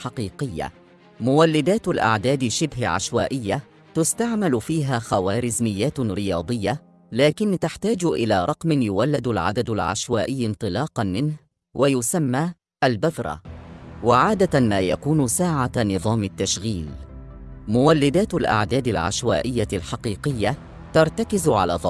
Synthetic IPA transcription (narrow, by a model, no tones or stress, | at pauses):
ħɑqiːqɪjːa̰ | mʊwalːɪd̪aːt̪lʔa̰ʕd̪aːd̪ɪʃːɪbɦɪʕa̰ʃwaːʔɪjːa | t̪ʊst̪aʕmalʊfiːɦaːxawaːɾɪzmɪjːaːt̪ɾɪjɑːd̪ˤɨjːa | laːkɪnt̪aħt̪aːd͡ʒʔɪ̰laːɾˤɑqmɪnjʊwalːɪd̪alʕa̰d̪ad̪ʊlʕa̰ʃwaːʔɪjːɪnt̪ˤɨlɑːqɑnmɪnh | wʔajʊsamːaː | ʔalbaðɾˤɑ̰waʕaːd̪amaːja̰kuːnsaːʕanɨðˤɑːmɪt̪ːaʃɣiːl | mʊwalːɪd̪aːt̪alʔa̰ʕd̪aːd̪alʕa̰ʃwa̰ːʔɪjːaɪlħɑqiːqɪjːa | t̪ɑɾˤt̪akɪzʕa̰la̰ːðˤɑ